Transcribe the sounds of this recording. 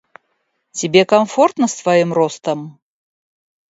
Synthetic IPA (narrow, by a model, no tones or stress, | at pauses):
t͡sʲɪbʲekamfort̪nəst̪vajimrɔst̪əm